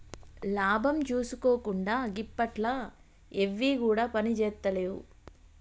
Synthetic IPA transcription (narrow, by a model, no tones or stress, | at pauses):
laːbʱɐmt͡ʃuːsuko̞ːkuɳɖaːɡipːɐʈla | eʋːiːkuːɽaːpɐnit͡ʃɛːt̪ːɐleːwṵ